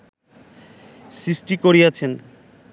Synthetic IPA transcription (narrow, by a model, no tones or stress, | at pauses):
sisʈikoɾiat͡ɕʰen